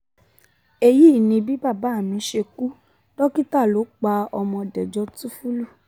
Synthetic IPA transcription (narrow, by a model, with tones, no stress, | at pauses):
e˧ji˦˨nĩ˧bi˦ba˦˨ba˨˦˨mĩ˨˧˦ʃe˧ku˦ | dɔ˦ki˦ta˦˨lo˨˦k͡pa˧ɔ˧mɔ̃˧dɛ˨d͡ʒɔ˧˦tu˦fu˦lu˦˨